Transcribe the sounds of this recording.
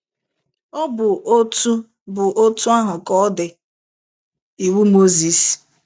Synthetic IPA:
o˦bʊ˨ʔo˦tu˦ | bʊ˨ʔo˦tu˦a˦ɦʊ˨kɔ˦ɔ˦dɪ˨ | i˨wu˦mo˦zi˦s

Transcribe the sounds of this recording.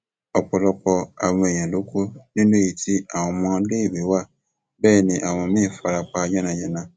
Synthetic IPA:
ɔ˨k͡pɔ˨lɔ˨k͡pɔ˧a˨mɔ̃˨e˨j̃ã˨lo˦kʰo˦nĩ˦nõ˦ji˨tʰi˦a˨wɔ̃˨mɔ̃˦le˦˨be˨wa˦˨ | bɛː˦˨nĩ˨ʔa˨w̃ɔ̃˨mĩ˦˨fa˨ɾa˨k͡pa˨d͡ʒã˦nã˨jɛ˨nã˦˨

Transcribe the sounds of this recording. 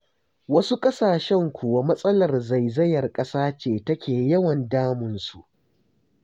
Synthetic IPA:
wɐ˦su˦kʼɐ˦saː˨ʃɛ˦ŋkʷʰu˨wa˨˦mɐ˦sʼɐ˦lɐ˨rza˨jzɐ˦jɐ˨rkʼɐ˦saː˦t͡ʃeː˨tɐ˦kʲʰeː˨jɐ˦wɐ˨ndaː˦mʊ˨nsu˨ʔ

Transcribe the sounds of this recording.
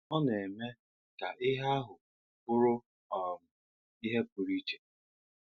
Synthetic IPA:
ɔ˦n˨e˨me˦ | ka˨ʔɪ˦ɦa˦ɦʊ˨ | pʊ˦ɾʊ˦ | ɔ˨m̩˨ | i˦ɦe˦pʊ˨ɾi˦t͡ʃe̥˨

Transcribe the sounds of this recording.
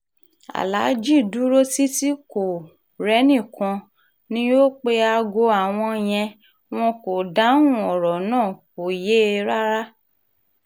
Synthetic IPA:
a̰˨la˨˦d͡ʒi˦˨du˨˦ɾo˦ti˦ti˦ko˨ | ɾɛ˦nĩ˦˨kã˧ | nĩ˦jo˦k͡pe˧a˧ɡo˧a˨w̃ɔ̃˧j̃ɛ̃˧ | w̃ɔ̃˧ko˨da˨˦ũ˦ɔ˨ɾɔ˨nãː˦˨ko˨je˨˦˧ɾa˦ɾa˦

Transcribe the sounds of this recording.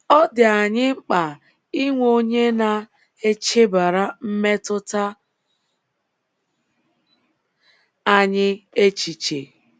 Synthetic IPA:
ɔ˦dɪ˨a˨ɲɪ˦ŋ͡m̩˦k͡pa˨ | i˦ŋʷo˦ɲe˦na˨ | e˦t͡ʃe˦ba˨ɾa˦m̩˦me˦tʊ˦ta˦ | a˦ɲɪ˦e˦t͡ʃi˨t͡ʃe˨

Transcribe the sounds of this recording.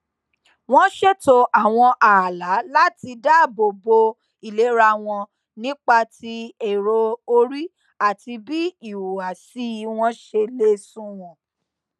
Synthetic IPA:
w̃ɔ̃˦ʃe˦to˧ʔa˦˨w̃ɔ̃˧ʔa˨la˨˦la˦ti˧da˦˨bo˨bo˧ | i˨le˨˦ɾa˧w̃ɔ̃˧ | nĩ˦k͡pa˧ti˧e˨ɾo˧o˧ɾi˦ | a˦˨ti˧bi˦i˦˨wu˨a˨si˦w̃ɔ̃˦ʃe˧le˦sũ˦w̃ɔ̃˨

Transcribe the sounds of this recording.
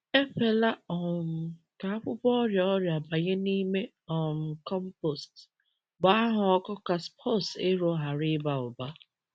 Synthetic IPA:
e˦fe˨la˦ɔ˨m̩˨ | ka˨a˦ɸʊ˦pɔ˦ɔ˦ɾja˨ɔ˦ɾja˨ba˨ɣe˦ni˦me˦ | ɔ˨m̩˨kɔ˦m̩˦po˨st | ba˨a˦ɦʊ˨ɔ˦kɔ˦ka˨spʰɔ˦˨se˦ɾo˦ɦa˨ɾɪ˦ba˨ʊ˨ba˦

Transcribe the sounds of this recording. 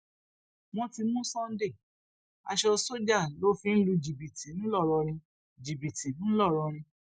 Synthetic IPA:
mɔ̃˧ti˧mũ˦sɔ̃˦n̩˦de˦˨ | a̰˧ʃɔ˧so˦d͡ʒa˦˨lo˦fĩ˧˦n̩˦lu˧d͡ʒi˨bi˨ti˨˦nĩ˦lɔ˦˨ɾɔ˧ɾ̃ĩ˧ | d͡ʒi˨bi˨ti˨˦nũ˦lɔ˦˨ɾɔ˧ɾ̃ĩ˧

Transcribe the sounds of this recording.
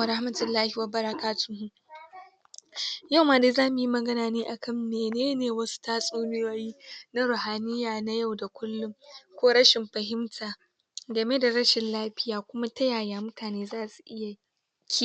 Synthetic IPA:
ɾa˦hmɐ˦tɪ˨lːaː˦hi˨wa˦bɐ˦ɾɐ˦kaː˦tʊ˦nhu˦ | ja˦˨wmaː˨da˦zaː˦mʊ˨ji˦mɐ˨ɡɐ˦naː˨neː˦ʔa˨kʰɐ˦˨mneː˨neː˦neː˨wɐ˦su̥˦taː˦sʼuː˦nɪ˦waː˦jiː˦na˦ɾʊ˨haː˨nɪ˦jaː˨na˦ja˦˨wda˨kʷʊ˦lːʊ˦ŋkʷoː˦ɽɐ˦ʃɪ˨mɸɐ˨ɦɪ˦mtʰaː˨ | ɡɐ˨me˦da˨ɾɐ˦ʃɪ˨nlaː˦ɸɪ˦jaː˨kʷʊ˦ma˦tɐ˦jaː˨jaː˨mʊ˦tʰaː˨neː˦zaː˦su˨ʔɪ˦ja˨ | kʲʰi˦˨

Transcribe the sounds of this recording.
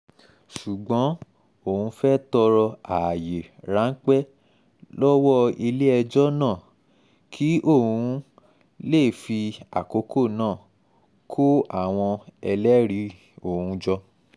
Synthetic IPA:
ʃu˨ɡ͡bɔ̃˨˦ | o˦˨hũ˧fɛ˦tɔ˧ɾɔ˧a˨je˨ɾa˨˦ŋ̩˦k͡pɛ˦ | lɔ˦wɔ˦i˧le˦ɛ˧d͡ʒɔ˦nãː˦˨ | kʰi˨˦ʔo˦˨ũ˧ | le˦˨fi˧a̰˨ko˨˦kʰo˦˨nãː˦˨ | kʰo˦a˦˨w̃ɔ̃˧ɛ˧lɛ˦ɾi˨˦ | o˨hũ˧d͡ʒɔ˧

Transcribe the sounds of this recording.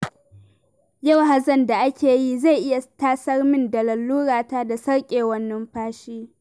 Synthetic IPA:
ja˦˨wɦa˨zɐ˦˨nda˨ʔa˦kʲeː˨ji˦za˦˨jʔɪ˦ja˨taː˦sɐ˦rmɪ˦ndɐ˨lɐ˨lːuː˦ɽaː˨taː˦da˨sɐ˦ɽkʲʼeː˨wɐ˦nːɐ˦mɸaː˦ʃiː˦

